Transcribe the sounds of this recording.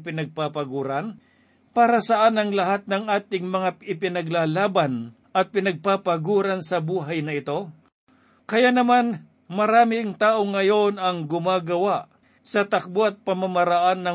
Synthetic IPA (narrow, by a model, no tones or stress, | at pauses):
p̬ɪnɐɡ̚papɐɡuːɾɐn | paːɾɐsɐʔanɐŋlɐɦat̪̚nɐŋʔaːt̪ɪŋmɐŋaɪpɪnɐɡlaːlaːbɐn | ɐt̪̚pɪnɐɡ̚papɐɡuːɾɐnsɐbuːɦɐjnɐɪt̪o̞ | kɐjanɐman | mɐɾaːmɪŋt̪aːʔo̞ŋːɐjo̞nɐŋɡʊmaːɡɐwaʔ | sɐt̪ɐk̚boɐt̪̚pɐmɐmɐɾɐʔanːɐ